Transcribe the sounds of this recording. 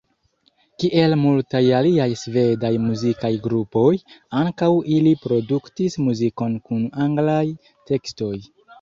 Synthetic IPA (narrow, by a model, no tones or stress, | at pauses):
kiʔe̞lmultajaliajsve̞dajmuzikajɡɾupo̞jaŋkawilipɾo̞duktismuziko̞nkunaŋɡlaj | te̞ksto̞j